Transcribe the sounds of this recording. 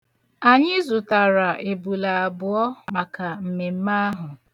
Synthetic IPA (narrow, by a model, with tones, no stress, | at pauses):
a˨ɲɪ˦zʊ˨ta˨ɾa˨ʔe˨bu˨la˨a˨bʊ˨ɔ˦ma˨ka˨m̩˨me˨m̩˦ma˦a˦ɦʊ˨